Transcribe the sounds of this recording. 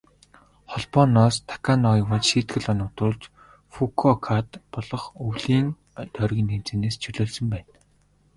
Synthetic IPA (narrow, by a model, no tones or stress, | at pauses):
χɔɮpɔnɔːst̪ʰḁkʰanɔjʊwə̆t͡ɕʃiːt̪ɡɘ̆ɮanʊːt̪ʊːɮt͡ɕ | fukʰɔkʰat̪pɔɮɞ̆χɵwɮiːn | t̪ʰœrɣʲiːnːemt͡sĕneːst͡ɕʰɵɮɵːɮsɵ̆mpæːn